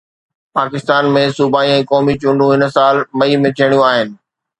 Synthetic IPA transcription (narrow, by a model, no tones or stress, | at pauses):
paːkɪst̪aːnmẽsuːbaːiɛ̃ːkɔːmit͡ɕʊ̃ɳɖũɦɪnsaːlmɐimẽt̪ʰijəɽ̃jũaːɦɪnɪ̆